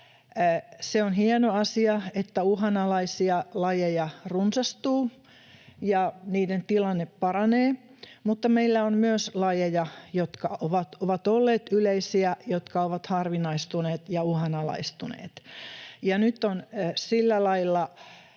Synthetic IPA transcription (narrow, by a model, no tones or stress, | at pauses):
seonhienoɑsiɑet̪ːæuhɑnɑlɑisiɑlɑjejɑrunsɑst̪uː | jɑniːdent̪ilɑnːeppɑrɑneː | mut̪ːɑmeilːæonmyøslɑjejɑjot̪kɑoʋɑt̪oʋɑt̪olːeːt̪yleisiæjot̪kɑoʋɑt̪hɑrʋinɑist̪uneːt̪jɑuhɑnɑlɑ̰ist̪unḛːt̪jɑnyt̪ːonsilːælɑilːɑ